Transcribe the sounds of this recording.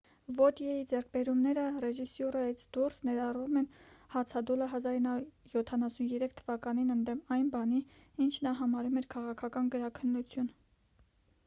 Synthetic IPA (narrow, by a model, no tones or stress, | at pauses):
vɔt̪jɛjid͡zɛrk̚ʰbɛɾumnɛɾərɛʒisjuɾɑjit͡sʰd̪̥ursnɛɾɑrvumɛnhɑt͡sʰɑd̪uləɦɑzɑɾinjɔt̪ʰɑnɑsunjɛɾɛkʰt̪ʰəvɑkɑninənd̪ɛmɑjnbɑni | int͡ʃʰnɑɦɑmɑɾumɛɾkʰɑʁɑkʰɑkɑnɡəɾɑkʰənːut͡sʰjun